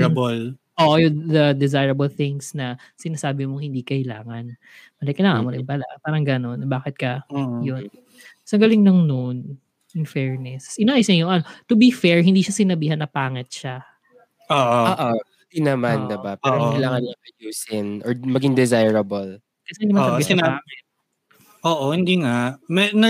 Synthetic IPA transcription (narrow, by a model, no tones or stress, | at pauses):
ɐbolʔoːʔojʊd̪ɐd̪ɪzajɹɐbolθɪŋsnɐ | sɪnaːsaːbɪmoŋhɪnd̪iːkɐʔɪla̰ːŋɐn | mɐlɛkɐlaːŋɐ̰moɾɪŋpɐla̰ʔpaːɾɐŋɡɐno̞nbaːkɪt̪̚kɐjon | sɐŋɡɐlɪŋnoŋnon | jʊŋfɛɹnɛsʔɪnaʔːjɪsnɐjʊŋʔɐnot̪ʊbifɛɹɦɪnd̪iːʃɐsɪnɐbiːɦɐnːɐpaːŋɛt̪̚ʃa | ʔoːʔooːʔoɪd̪inɐmand̪ɛbapɛːɾoɐjlaːŋɐnlɐŋkɐjuːsɪnʔɔɹmɐɡɪŋd̪ɛzajɹɐbol | kɐsɛɪnd̪imɐsɐɐpaːŋɛt̪̚ | ʔoːʔohɪnd̪iŋamɛnɐ